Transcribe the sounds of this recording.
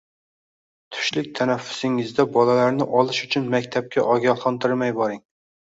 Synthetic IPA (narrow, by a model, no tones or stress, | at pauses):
t̪ʰʊ̥ʃlɪk̚ʲt̪ʰænæfːʊ̥sɪŋɪzd̪ɛbɒlælaɾnɪʔɒlˠɪʃʊt͡ʃʰʊnmækʲt̪ʰæp̚kʲʰɛʔɒɡʲɑlˠχɑnt̪ɨɾmɛjbɑɾɪŋ